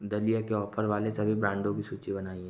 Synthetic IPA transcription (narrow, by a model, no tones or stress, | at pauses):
d̪ɐlijakeɔːfəɾʋaːlesɐbʱibɾãːɳɖõkisuːt͡ʃibɐnaːiɦɛ̃